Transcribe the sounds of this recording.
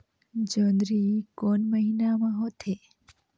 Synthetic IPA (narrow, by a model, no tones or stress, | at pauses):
d͡ʒənd̪ɾikonməɦinamãɦot̪ʰe